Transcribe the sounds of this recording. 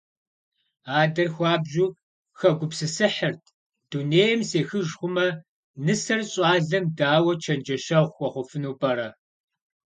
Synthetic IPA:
aːdɐrxʷɑːbʑuː | xɐɡʷʊpsɨsɨħərtʰ | d̥uneːjɐmseːxɨʒχʷʊmɐ | nɨsɐrɕʼɑːɮɐmdaːwɐt͡ʃʰɐnd͡ʒɐʃɐʁʷxʷɔχʷʊfɨnuːpʼɐɾɐ

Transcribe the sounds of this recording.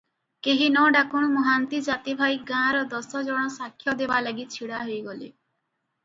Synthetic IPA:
keɦinɔɖakuɽ̃mɔɦant̪id͡ʒat̪ibʱajɡãɾɔd̪ɔsɔd͡ʒɔɽ̃ɔsakʰːjɔd̪ebalaɡit͡ʃʰiɽaɦojɡɔlḛ

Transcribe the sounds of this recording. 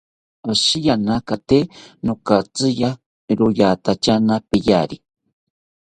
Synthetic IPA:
aʃijanakat̪enokat͡sɨja | ɾojat̪at͡ʃanapejaɾi

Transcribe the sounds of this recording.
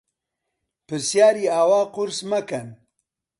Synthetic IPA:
pɨɾsjaːɾiːaːwaːqʊɾsmɐkɐn

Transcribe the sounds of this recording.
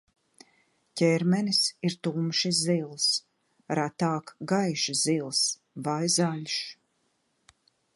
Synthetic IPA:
cʲɛɾmɛnisiɾt̪umʃizzilˠs | ɾat̪aːkɡajʃizilˠs | vajzaʎʲʃ

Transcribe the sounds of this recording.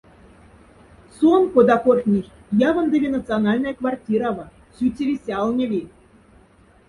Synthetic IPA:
sonkod̪ɑkoxʲnʲixʲjɑvɤ̆nd̪evʲenat̪t͡sɨonɑlʲnɑjakvartʲiɾavɤ | sʲytʲːevʲesʲɑlˠnʲɤ̆vʲi

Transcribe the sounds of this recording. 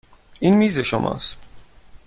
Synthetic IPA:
iːnmiːze̞ʃomʔɒ̰ːst̪

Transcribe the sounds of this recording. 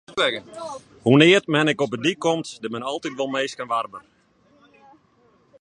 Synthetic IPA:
ɛɡə | hunɪətmɛnɛkɔpədikːomtdəmɛnɔlˠtitʋɔlˠmeːskənʋarbə

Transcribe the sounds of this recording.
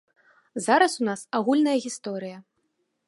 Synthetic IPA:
zaɾɐsunasaɣulʲnɐjɐɣʲist̪ɔɾɨjɐ

